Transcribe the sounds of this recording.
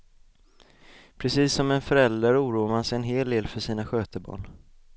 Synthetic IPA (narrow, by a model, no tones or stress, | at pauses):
pʰɾɛsiːsːɔmɛnfœɾɛld̪ɾaɾuːɾuːamansɛjɛnɦeːld̪eːlfœʂiːnaɧøːt̪əbɑ̰ːɳ